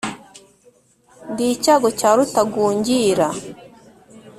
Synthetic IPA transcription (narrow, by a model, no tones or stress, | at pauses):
ndicaɡɔcaɾutaɡuːɲɟiɾa